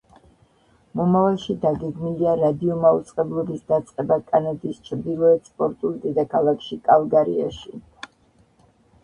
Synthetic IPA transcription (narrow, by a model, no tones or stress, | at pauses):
mɔmavalˠʃid̪aɡɛɡmiliaɾad̪iɔmaut̪sʼqʼɛblˠɔbisd̪at̪sʼqʼɛbakʼanad̪ist͡ʃʰɾd̪ilˠɔɛt̪spʼɔɾt̪ʼulˠd̪ɛd̪akʰalˠakʰʃikʼalˠɡaɾḭa̰ʃi